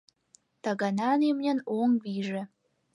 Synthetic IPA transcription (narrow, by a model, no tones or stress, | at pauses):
t̪ɑɣɑnɑnemnʲə̆noŋβiʒĕ